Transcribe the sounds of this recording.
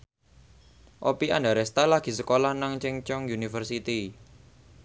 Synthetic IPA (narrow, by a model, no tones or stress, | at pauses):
ʔopiʔa̰ndaɾɛst̪alaɡ̥i̤səkolahnaŋt͡ʃɛŋt͡ʃɔŋjunifərsit̪i